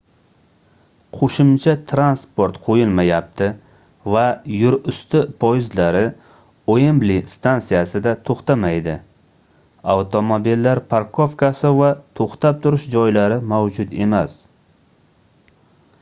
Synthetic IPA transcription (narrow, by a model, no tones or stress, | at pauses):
qʰoʃɪmt͡ʃʰat̪ʰɾanspoɾt̪qʰojɪlmajap̚t̪ʰɪ | vajʊɾʊst̪ɪpʰojzlaɾɪ | ojɪmblɪst̪ʰansijasɪd̪at̪ʰoχt̪amajd̪ɪ | awt̪ʰomobilːaɾpʰaɾkʰofkasɪvat̪ʰoχt̪ap̚t̪ʰʊɾɪʃd͡ʒɒjlaɾɪmawd͡ʒʊt̪e̞mas